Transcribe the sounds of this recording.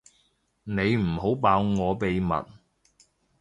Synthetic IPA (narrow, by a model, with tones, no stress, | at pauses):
ne˨˧jm̩˨˩ho˨˥wpaː˨˧wŋɔː˨˧pe˨jmɐ̰˨t̚